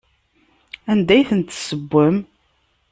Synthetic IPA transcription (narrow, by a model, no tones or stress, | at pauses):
ænd̪æjθənt̪ːsəbʷːəm